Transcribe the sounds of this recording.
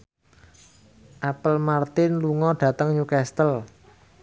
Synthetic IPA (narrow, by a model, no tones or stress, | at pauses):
ʔapəlmart̪ɪnluŋɔɖ̥ä̤t̪əŋɲukɛst̪əl